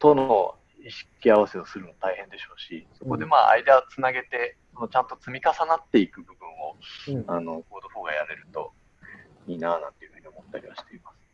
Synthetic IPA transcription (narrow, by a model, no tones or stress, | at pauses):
t̪onoo | iɕi̥kʲiaβ̞ase̞osɨɾɯ̟mot̪aihẽ̞nd̪e̞ɕo̞ːɕiso̞ko̞d̪e̞maːʔa̰id̪at͡sɨnaɡe̞t̪e̞sonot͡ɕãnt̪o̞t͡sɨmʲikasanat̪ːe̞ikɯ̟bɯ̟bɯ̟̃ɰ̃o̞ano̞ɡoːd̪o̞ɸoːɡajame̞ɾɯ̟t̪o̞̰ | iːnaːnã̰nt̪e̞jɯ̟ɸɯ̟ɲ̟io̞mo̞t̪ːaɾʲiβaɕi̥t̪e̞imasɨ̥